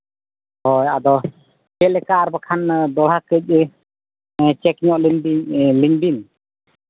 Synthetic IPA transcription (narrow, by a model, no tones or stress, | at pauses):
hɔjad̪ɔ | kɛlɛkaʔːɾbakʰand̪ɔɽ̤ɦakəc̚ | t͡ʃɛkɲɔʔlibiliɲbin